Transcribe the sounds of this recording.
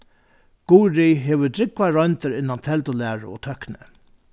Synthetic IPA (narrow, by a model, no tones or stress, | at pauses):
ɡ̥uːɹiɦeːʋət̪ɾɪkʋaɾɔnt̪əɾɪnːant̪ʰɛlt̪ʊlæːɹə̰o̰ːt̪ʰœknɪ